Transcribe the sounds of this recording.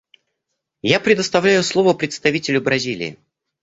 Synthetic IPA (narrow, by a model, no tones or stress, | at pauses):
japɾʲɪd̪əst̪ɐvlʲæjʊslˠo̞vəpɾʲɪt̪st̪ɐvʲitʲɪlʲʊbɾɐzʲilʲɪ̰ː